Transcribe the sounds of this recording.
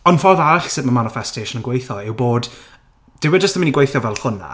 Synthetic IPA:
ɔnfɔðaɾaɬsɪðmamanɪfɛstʰejʃənənɡwejθɔɪwboːd | d̥ɪwɛd͡ʒəstəmɪniɡwejθjɔvɛlˠɬʊna̰

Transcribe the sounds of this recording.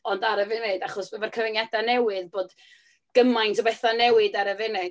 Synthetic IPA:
ɔndaɾəvɪnedaχɔsbəvɛrkʰəvənjadanɛwɨðboːd | ɡ̥əmajntʰɔbɛθɔnɛwɨdaɾəvɪne

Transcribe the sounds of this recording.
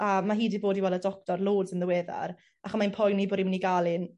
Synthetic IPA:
amaɦiːdiboːdiwɛlˠədɔk̚tɔrlˠoːdsənðəweːða̰ɾ | aχɔmanpʰɔjnːiboːɾimniɡalˠɨn

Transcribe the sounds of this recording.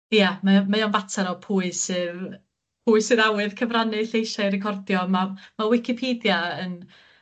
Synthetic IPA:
ijamamajɔnvatʰaɾɔpʰuɨsɨːð | pʰuːɨsɨðawɨðkʰəvranɨɬejʃajrɛkʰɔrdjɔmamawɪkʰɪpʰeːdjaən

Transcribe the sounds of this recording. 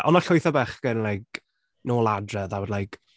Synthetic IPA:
ɔnaɬɔjθɔbɛχɡ̥ənlajk̚ | noːlˠadrəðawɔdlajk

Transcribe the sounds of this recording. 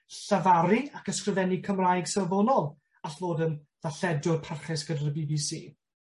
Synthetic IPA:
ɬavaɾiakəskrɪvɛnikʰəmrajɡ̥səvɔnɔl | aɬvoːdənðaɬɛdʊrpʰarχɪsɡ̥ədaɾəbiːbiːsḭː

